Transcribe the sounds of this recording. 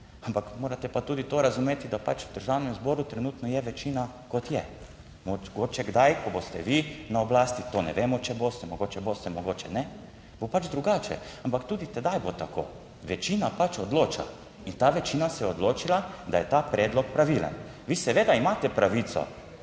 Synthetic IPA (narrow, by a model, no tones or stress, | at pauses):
ampakmoːɾat̪ɛpat̪uːd̪it̪oɾazumeːt̪id̪apat͡ʃud̪əɾʒawnɛmzbɔːɾut̪ɾɛnuːt̪nɔjɛʋɛt͡ʃiːna | kɔt̪jɛ | moɡoːt͡ʃɛɡd̪ajkɔbost̪ɛʋinaɔblaːst̪it̪onɛ̰ʋeːmɔt͡ʃɛbost̪ɛmɔɡoːt͡ʃɛboːst̪ɛmɔɡoːt͡ʃɛnɛ | bopad͡ʒd̪ɾuɡaːt͡ʃɛ̰ampakt̪uːd̪it̪ɛd̪ajbot̪ako̰ː | ʋɛt͡ʃiːnapat͡ʃɔd̪loːt͡ʃa̰ | int̪aʋɛt͡ʃiːnasɛjɛɔd̪loːt͡ʃilad̪ajɛt̪aːpɾɛːd̪lɔk̚pɾaʋilə̰nʋisɛʋeːd̪aimaːt̪ɛpɾaʋit̪sɔ̰